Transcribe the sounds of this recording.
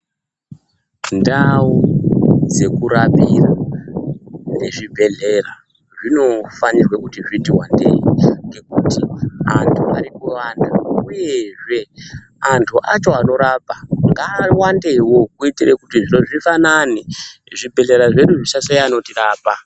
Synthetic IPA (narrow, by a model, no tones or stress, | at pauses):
ndawo | d͡ze̞kuɾapira | neʐibʱe̞ɮe̞ra | ʐino̞fanirwekutiʐitiwandḛiŋɡe̞kutia̰ntʰua̰ripuandaujeʐe̞ | antʰuʔat͡ʃo̞ano̞ɾaːpaŋɡaːwandewo̞kuitirekutiʐino̞ʐifananiʐibʱe̞ɮe̞ɾaʐe̞ɗuʐiʃasejano̞tiraːpa